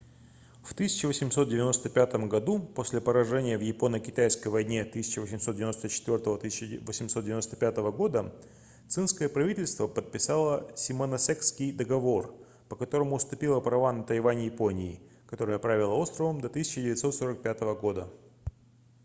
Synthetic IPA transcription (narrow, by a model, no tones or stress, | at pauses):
ft̪ɨsʲɪ̥t͡ɕɪvəsʲɪmso̞t̪̚dʲɪvʲɪno̞st̪əpʲat̪əmɡɐd̪uposʲlʲɪpəɾɐʐɛnʲɪjəvjɪpo̞nəkʲɪt̪ajskəjvɐjnʲet̪ɨsʲɪ̥t͡ɕɪvəsʲɪmso̞t̪dʲɪvɪno̞st̪ət͡ɕɪ̥t̪vʲo̞rt̪əvət̪ɨsʲɪt͡ɕvəsʲɪmst̪̚dʲɪvʲɪnost̪əpʲat̪əvəɡo̞d̪ə | t̪sɨnskəjəpɾɐvʲitʲɪlʲst̪vəpət̪̚pʲɪsalˠəsʲɪmənɐsɛkskʲɪjd̪əɡɐvo̞r | pəkɐt̪o̞ɾəmʊːst̪ʊpʲilˠəpɾɐvanət̪ɐjvanʲɪjɪpo̞nʲɪː | kɐt̪o̞ɾəjəpɾavʲɪlˠəo̞st̪ɾəvəmd̪ɐt̪ɨsʲɪt͡ɕɪdʲɪvʲɪt̪so̞t̪so̞ɾək̚pʲat̪əvəɡo̞d̪ə